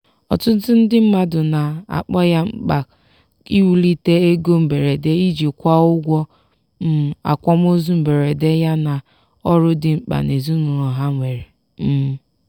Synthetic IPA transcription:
ɔ̰˨tʊ˦zʊ˦n̩˦dɪ˦m̩˦ma˦dʊ˨na˨a̰˨k͡pɔ˦ja˦ŋ͡m̩˦k͡pa˨ | i˦wu˦li˦te˦e˦ɡo˦m̩˨be˨ɾe˨de˦i˦d͡ʒi˨kʷa˦ʊ˦ɡʷɔ˦ | m̩˦a̰˨kʷɔ˦m˦o˦zu˦m̩˨be˨ɾe˨de˦ja˦na˨ | ɔ˦ɾʊ˦dɪ˨ŋ͡m̩˦k͡pa̰˨ne˨zu˦nʊ˨ɾɔ˨ɦa˦ŋʷe˨ɾe˨ | m̩˦

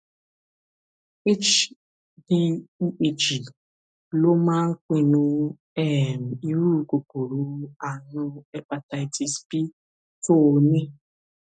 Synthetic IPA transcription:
e˦t͡ʃ | bi˦i˦ʔe˨t͡ʃi˨ | lo˦ma˦ŋ̩˦kʷe˨nu˦ | ɛ˦˨m̩˨i˦ɾu˦˨˦ko˨ko˨ɾu˨˦a˨nʊ˦ɛ˦k͡pa˨ta˨i˨ti˨spi˦ | fo˦˨ne˦

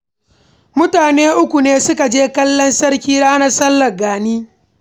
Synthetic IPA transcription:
mʊ˦taː˨neː˦ʔʊ˦kʷu˨neː˦sʊ˦ka˨d͡ʒeː˦kɐ˦lːɔ˦nsɐ˦ɾkʲiː˦da˦ʔna˨sɐ˦lːɐ˨ɡaː˨niː˦

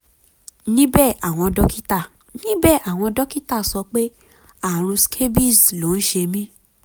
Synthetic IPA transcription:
nĩ˦bɛ˦˨ʔa˨w̃ɔ̃˧dɔ˦ki˦ta˦˨ | nĩ˦bɛ˦˨ʔa˨w̃ɔ̃˧dɔ˦ki˦ta˦˨sɔ˧k͡pe˦ | a˦˨ɾ̃ũ˧skʰe˦bi˦˨slo˨˦n̩˦ʃe˧mĩ˦

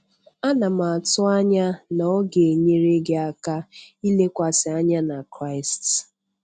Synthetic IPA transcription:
a˦na˨m˨a˨tʊ˦a˦ɲa˦nɔ˦ɡe˨ɲe˦ɾe˦ɡe˦a˦ka˦i˦le˦kʷa˨sɪ˨a˦ɲa˦na˨kɾa˦ɪ˨st

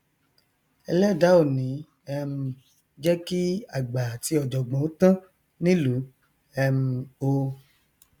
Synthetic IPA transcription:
ɛ˧lɛ˦˨da˨˦o˦˨nĩ˨˦ | ɛ˧m̩˧ | d͡ʒɛ˦ki˦a˦˨ɡ͡ba˨ti˨˦ɔ˨d͡ʒɔ˨ɡ͡bɔ̃˨o˨˦tã˦ | nĩ˦lu˨˦ | ɛ˧m̩˧o˧

